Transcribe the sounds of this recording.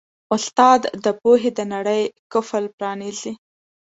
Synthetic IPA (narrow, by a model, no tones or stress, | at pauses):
ʊst̪ɑd̪ːəpoɦed̪ənaɽəjkʊfəlpɾɑnizi